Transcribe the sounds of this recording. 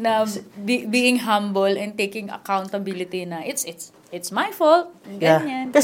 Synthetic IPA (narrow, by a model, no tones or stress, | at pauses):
nɐbibiːʔɪŋɦãmbəlɛ̃nt̪ejkɪ̃ŋɐ̰kawnt̪ɐbilɪt̪inɐʔɪt̪sɪt̪s | ɪt̪smajfolt̪̚ɡaɲankɐs